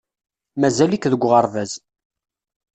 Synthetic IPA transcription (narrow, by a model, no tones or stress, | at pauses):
mæzælikðəɡʷːʁəɾˤvæz